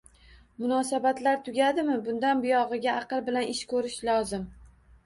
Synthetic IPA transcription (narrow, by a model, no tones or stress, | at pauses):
mʊnɒsabat̪laɾt̪ʰʊɡʲad̪ɪmɪbʊnd̪anbʊjɒʁɨɡʲaɑqɨlˠbɪlanɪʃkʰɵɾɪʃlɒzɪm